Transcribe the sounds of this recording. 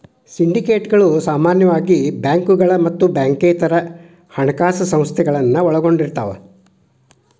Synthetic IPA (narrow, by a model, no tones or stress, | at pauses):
siɳɖikeːʈɡɐɭusaːmaːnjɐʋaːɡibjaːŋkuɡɐɭɐmɐt̪ːubjaːŋkeːt̪ɐɾɐ | hɐɳɐkaːsɐsɐ̃m̃st̪ʰɛɡɐɭɐnːɐɔɭɐɡo̞ɳɖiɾt̪ɐ̰ːʋḛ